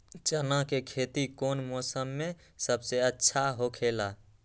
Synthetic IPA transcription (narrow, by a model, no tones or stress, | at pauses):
t͡ʃənakekʰet̪ikonmɔsəmːe | səbseətːʃʰaɦokʰela